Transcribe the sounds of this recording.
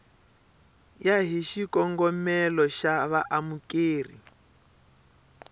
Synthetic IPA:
jaɦiʃikɔŋɡɔmɛlɔʃaβaʔamukʼeːrḭ

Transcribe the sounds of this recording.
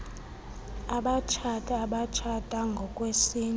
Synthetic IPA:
aɓat͡ʃʰatʰʼaaɓat͡ʃʰatʼaŋɡʱɔkʼwesiːn

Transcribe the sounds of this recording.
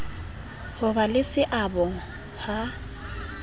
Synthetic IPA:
hʊbalɪsɪʔabɔ | ha

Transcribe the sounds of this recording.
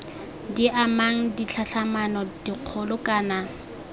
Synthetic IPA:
diʔamaŋ̩dit͡ɬʰaɬamanɔdiq͡χʰɔlʊkʼaːna

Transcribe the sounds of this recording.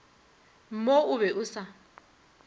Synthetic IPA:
m̩moʊβɛʔʊsa

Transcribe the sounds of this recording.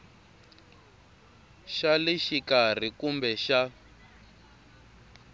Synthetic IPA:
ʃaliʃikar̤ikumbɛʃa

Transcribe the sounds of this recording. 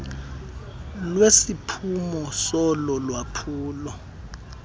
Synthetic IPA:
lwesipʰumɔsɔlɔlwapʰuːlɔ

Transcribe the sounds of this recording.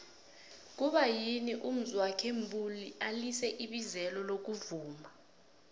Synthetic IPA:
k̬uɓajiniʔum̩zuwakʰembʱʼulialisɛʔiɓizɛlɔlok̬uvuːma

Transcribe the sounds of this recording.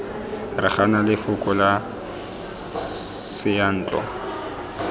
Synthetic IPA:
rɪ̰χanalɪfʊkʼɔla | sɪjan̩ːt͡ɬʼɔ̰

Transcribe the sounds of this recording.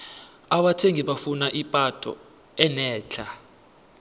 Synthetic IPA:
aɓatʰeŋiɓafunaʔipʼatʰʼɔ̰ | ɛnɛːt͡ɬʰa

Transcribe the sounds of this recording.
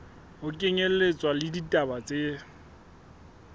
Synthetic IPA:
ʊkʼɪŋel̩et͡sʼwalɪditʼabat͡sʼe

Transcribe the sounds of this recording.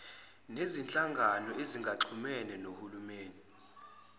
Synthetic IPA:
nezint͡ɬʼaŋɡʱanɔʔeziŋɡʱaǀʰumɛnɛnohulumeːni

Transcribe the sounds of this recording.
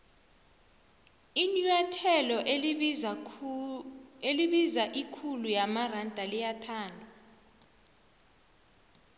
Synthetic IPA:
inujatʰɛlɔʔ | eliɓizaʔikʰulujamarandʱalijatʰaːndʱɔ

